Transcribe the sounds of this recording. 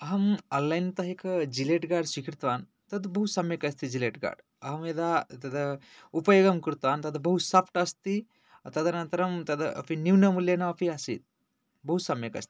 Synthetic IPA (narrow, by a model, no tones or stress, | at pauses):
ɐɦɐmɔlːajnt̪ɐɦekʰd͡ʒileʈɡaɖsikʰiɾt̪ʋan | t̪ɐd̪bɐɦut̪sɐmjɐkɐst̪id͡ʒileʈɡa̰ɖ | ɐɦɐmed̪at̪ɐd̪ɐ | upɐjoɡɐmkɨɾt̪ʋaːnt̪ɐd̪ɐbɐɦut̪sɐpʰʈɐst̪i | t̪ɐd̪ɐnɐnt̪ɐɾɐmt̪ɐd̪ɐɐ̰pʰiniwnɐmuljenaɐpʰiasḭt̪̚ | bɐɦut̪sɐmjɐkɐ̰st̪i̥